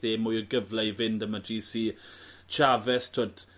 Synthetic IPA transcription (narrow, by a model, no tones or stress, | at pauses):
eːmʊjəɡəvlɛjvɪndəmadiːsit͡ʃʰavɛstʰoːd